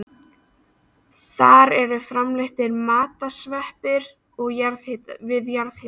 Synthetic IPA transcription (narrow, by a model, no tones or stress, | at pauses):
θaɾɛɾʏfɾamlɪht̪ɪɾmaːt̪asvɛhpɪɾ | ɔɣjaɾvɪðjaɾðhɪ